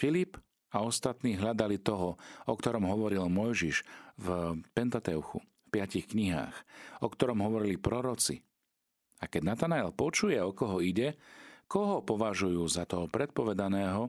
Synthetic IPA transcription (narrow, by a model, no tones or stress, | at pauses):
filip | aɔst̪at̪niːɦʎad̪alit̪ɔɦɔɔkt̪ɔɾɔmɦɔʋɔɾilmɔjʒiʃvpɛnt̪at̪ɛuxu | fpɪacixkɲiɦa̰ːxɔkt̪ɔɾɔmɦɔʋɔɾilipɾɔɾɔt͡sḭ | akɛɟnat̪anaɛlpɔt͡ʃujɛɔkɔɦɔiɟɛkɔɦɔpɔʋaʒujuːzat̪ɔɦɔpɾɛt̪̚pɔʋɛd̪anɛːɦɔ